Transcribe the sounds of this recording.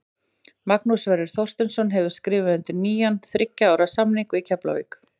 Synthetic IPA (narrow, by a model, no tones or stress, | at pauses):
maknusvɛɾɪɾ̥θowr̥st̪ʏnsɔnɦɛvʏ̥skɾɪːvɪʏnt̪ɪniːjanθɾɪcːaaːwɾasamniŋkicʰapla̰vḭːk